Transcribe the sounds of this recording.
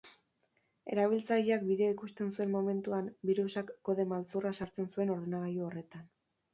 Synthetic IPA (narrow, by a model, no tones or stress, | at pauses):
e̞ɾaβ̞ilt͡sajiakbiðeikust̪e̞nsue̞mmo̞me̞nt̪uambiɾusakːo̞ðe̞malt͡surasaɾt͡se̞nsue̞no̞ɾðenaɣajuore̞t̪an